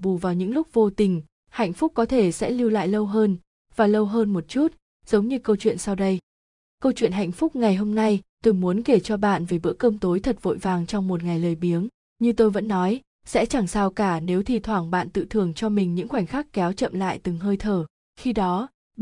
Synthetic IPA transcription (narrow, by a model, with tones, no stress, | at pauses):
ɓu˧˩vaː˨˩wɲɨ̰˧˥ŋlʊ˦˥k͡p̚vo˧t̪ï˨˩ŋ̟ | ha̰˧˨jŋ̟fʊ˦˥k͡p̚kɔ˨˦t̪ʰe˧˩sɛ̰˧˥li˧wla̰ː˧˨jlə˧wɦəː˧n | vaː˨˩lə˧wɦəː˧nmo˨˩t̚t͡ɕu˦˥t̚ | z̥ə˨˦wŋ͡mɲɨ˧kə˧wt͡ɕwḭ˧˨ənsa˧wɗə˧j | kə˧wt͡ɕwḭ˧˨ənɦa̰˧˨jŋ̟fʊ˦˥k͡p̚ŋa˨˩jɦo˧mna˧jt̪o˨˧˩mu˨˦ənke˧˩t͡ɕɔ˧ɓa̰ː˧˨nve˨˩ɓɨ̰˧˥əkə˧mt̪o˨˦jt̪ʰə˨˩t̚vo̰˧˨jvaː˧˩ŋt͡ɕɔ˧wŋ͡mmo˨˩t̚ŋa˨˩jləː˨˩jɓi˨˦əŋ | ɲɨ˧t̪o˧jvə̰˧˥nːɔ˨˦j | sɛ̰˧˥t͡ɕa˧˩ŋsaː˧wkaː˧˩ne˨˦wt̪ʰi˨˧˩t̪ʰwaː˧˩ŋɓa̰ː˧˨nt̪ɨ̰˧˨t̪ʰɨ˨˩əŋt͡ɕɔ˧mï˨˩ŋ̟ɲɨ̰˧˥ŋxwa˧˩jŋ̟xaː˦˥kkːɛ˨˦wt͡ɕə̰˧˨mla̰ː˧˨jt̪ɨ˨˩ŋɦəː˧jt̪ʰəː˧˩ | xi˧ɗɔ˨˦